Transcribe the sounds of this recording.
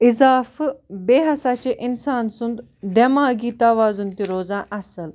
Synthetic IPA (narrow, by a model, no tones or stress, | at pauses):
ɪzaːfbeːɦɐsaːt͡ɕeʔɪnsaːnsund̪ | d̪emaːɡiːt̪ɐʋaːzunt̪iɾoːzãːʔɐsəl